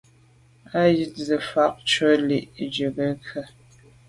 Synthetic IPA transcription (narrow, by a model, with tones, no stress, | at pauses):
a˦ji˦t̚zə˨fa˦k̚t͡ʃə˦li˨ʔd͡ʒə˨ɡə˦kʰə˨